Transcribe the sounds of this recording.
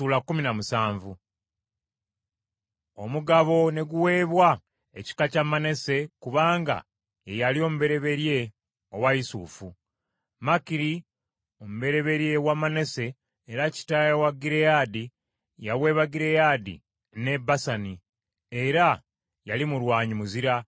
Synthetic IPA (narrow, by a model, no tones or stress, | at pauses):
uːlakːuminamusaːɱvu | o̞muɡaβo̞ne̞ɡuwe̞ːβwa | e̞ci̥kacamːane̞se̞kuβaːŋɡa̰ | jejalio̞ːmuβe̞ɾe̞βe̞ɾje̞ | owaisṵːfu | makiɾi | o̞muβe̞ɾe̞βe̞ɾje̞wamane̞se̞ː | ɾaci̥tajawaɡiɾejadi | jaβwe̞ːβaɡiɾe̞jadḭ | ne̞basani | e̞ɾa | jalimulwaːɲumuziɾa